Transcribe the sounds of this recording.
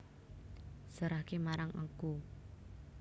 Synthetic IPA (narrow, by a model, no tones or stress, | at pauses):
səɾahkemaɾaŋʔə̰ŋku